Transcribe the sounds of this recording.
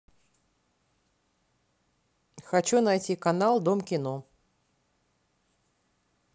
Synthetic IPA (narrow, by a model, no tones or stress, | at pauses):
xɐt͡ɕunɐjtʲikɐnalˠd̪omkʲɪno